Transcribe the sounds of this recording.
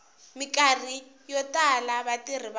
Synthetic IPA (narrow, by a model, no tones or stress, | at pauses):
mikar̤i | jɔtʼalaβatir̤iβa